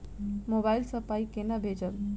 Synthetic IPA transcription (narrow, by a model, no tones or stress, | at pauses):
moːbaːɪlsɐpaːikenɐbʱeːd͡ʒəl